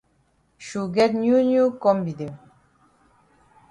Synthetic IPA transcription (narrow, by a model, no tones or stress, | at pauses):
ʃuɡɛtnjunjukɔmbid̪e